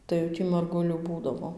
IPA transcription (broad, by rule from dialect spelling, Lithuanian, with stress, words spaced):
tɐɪ jɛʊ ˈtʲiː mɐrˈɡʊlʲuː ˈbuːdɐʋoː